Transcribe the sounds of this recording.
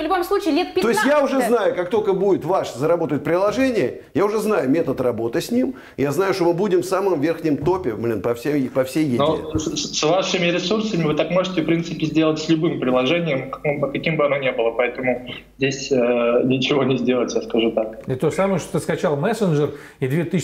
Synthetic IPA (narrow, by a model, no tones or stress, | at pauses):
vlʲʊbomslˠut͡ɕɪːlʲet̪pʲɪo̞ɪst̪ʲjaʊʐɛznajʊkakt̪o̞lʲkəbudʲɪt̪vaʂzəɾɐbo̞t̪əjɪt̪̚pɾʲɪlˠɐʐɛnʲɪjə | jaʊʐɛznajʊmʲe̞t̪ət̪rɐbo̞t̪ɨsʲnʲim | jaznajʊʂt̪omɨbudʲɪmfsamɨmvʲerxnʲɪjəmt̪o̞pʲɪblʲinpɐfsʲejpɐfsʲejjɪnossvaʂɨmʲɪɾʲɪsursəmʲɪvɨt̪akmo̞ʐɨtʲɪfpɾʲint̪sɨpʲɪzʲdʲelˠətʲsʲlʲʊbɨmpɾʲɪlˠɐʐɛnʲɪjəmpəkɐkʲimbɨɐnonʲe̞bɨlˠəpɐɛt̪əmʊzʲdʲesʲənʲɪt͡ɕɪvo̞nʲɪzʲdʲe̞lˠətʲjaskɐʐut̪ak̚ɪt̪osaməjəʂt̪ot̪ɨskɐt͡ɕalˠmɛsənʐər | ɪd̪vʲet̪ɨ